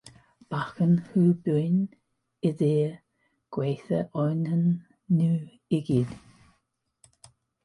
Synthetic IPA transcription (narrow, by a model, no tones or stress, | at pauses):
b̥axənhuːbujn | ɪðeː | ɡ̥weːθəʔɔjnənː | uː | ɪɡid